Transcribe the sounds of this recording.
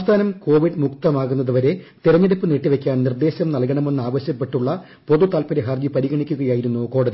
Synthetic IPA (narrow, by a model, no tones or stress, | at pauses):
ɐmst̪ʰaːnɐmko̞ːʋiɖmuk̚t̪ɐmaːɣunːɐðɨʋɐɾe̞t̪iɾɐɲːeɽipːɨneːʈːiʋekʲːaːnnird̪e̞ːɕɐmnɐlkɐɳɐme̞nːɨaːʋɐɕjɐpːe̞ʈːuɭːɐ | po̞ðut̪aːlpɐɾeɦɐrd͡ʑipɐɾiɣɐɳikʲːuɣɐjaːjiɾunːuko̞ːɽɐði